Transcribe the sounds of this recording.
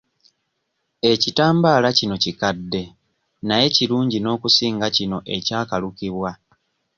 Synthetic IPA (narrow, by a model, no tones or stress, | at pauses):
e̞citaːmbaːlacino̞cikadːe̞ | naje̞ciɾuːɲɟino̞ːkusiːŋɡacino̞ʔe̞caːkalukiβwa